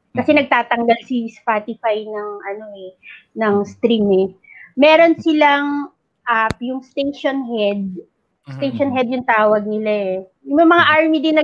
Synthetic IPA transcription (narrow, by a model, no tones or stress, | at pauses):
kɐsɛnɐɡ̚t̪aːt̪ɐŋɡalsispaːt̪ɪfajnɐŋʔɐno̞ɛ | nɐŋst̪ɾimɛmɛːɾo̞nsɪlaŋ | ʔapjʊŋst̪ejʃonhɛd̪̚ | st̪ejʃonɦɛd̪jʊŋt̪aːwɐɡ̚nɪlaɛjʊmɐmɐŋaʔaɹmid̪ɪnːɐ